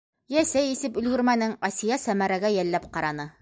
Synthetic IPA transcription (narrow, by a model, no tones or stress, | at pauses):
jæsæjisɘpɵ̆lɡɵ̆ɾmænɘŋɑsijɑsæmæɾæɡæjælːæpqɑɾɑnɤ